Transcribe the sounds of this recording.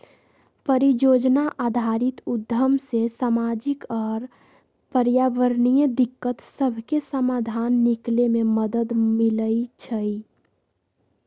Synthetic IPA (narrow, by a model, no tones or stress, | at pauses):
pəɾijod͡ʒnaʔad̪ʱaɾit̪ud̪ʱəmsesamad͡ʒikɔːɾ | pəɾjaʋəɾnijəd̪ikːət̪səbʱkesəmad̪ʱanːiklememəd̪əd̪miləit͡ʃʰəi